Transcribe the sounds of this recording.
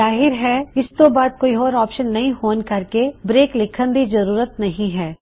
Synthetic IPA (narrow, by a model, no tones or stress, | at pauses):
aːɦɪɾɦɛɪst̪obaːd̪̚koːiɔːɾɔːpʃənːɐɦĩhoːnkɐɾkebɾeːklɪkʰə̃nd̪izɐɾuːɾət̪nɐɦĩɦɛː